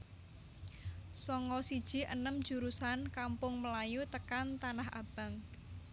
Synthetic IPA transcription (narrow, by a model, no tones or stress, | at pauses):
sɔŋɔsid̥ʒ̥i̤ʔə̰nəmd̥ʒ̥ṳɾusankampʊŋməlajut̪əkant̪anahʔa̰b̥ä̤ŋ